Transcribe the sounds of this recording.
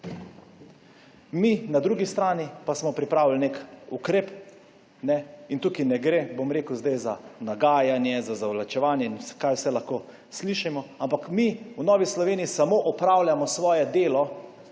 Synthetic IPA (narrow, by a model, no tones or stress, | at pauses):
minad̪ɾuːɡist̪ɾaːnipasmɔpɾipɾaːwilnekukɾeːp | nɛint̪uːkinɛɡɾebomɾeːkəwzd̪ajzanaɡaːjanjɛzazaʋlat͡ʃɛʋaːnjɛinsɛ̥kajwsɛlaxkoː | sliʃimɔampakmiwnɔːʋislɔʋeːniːsamoʔɔpɾaːwlʲjamɔsʋɔːjɛd̪eːlɔ